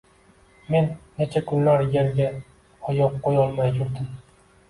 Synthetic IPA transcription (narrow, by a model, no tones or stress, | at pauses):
me̞nːe̞t͡ʃʰakʰʊnlaɾjeɾɡʲa | ɒjɒqːojɒlˠmajt̪ʰʊɾd̪ɪm